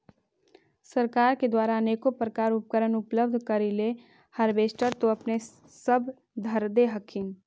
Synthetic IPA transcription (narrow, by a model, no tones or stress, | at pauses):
səɾkaːɾked̪waːɾaəneːkopɾəkaːɾʊp̚kəɾənʊpləb̚d̪ʱkəɾile | hɐɾʋeːsʈəɾt̪oɐpne | səb | d̪ʱəɾd̪eɦɐkʰin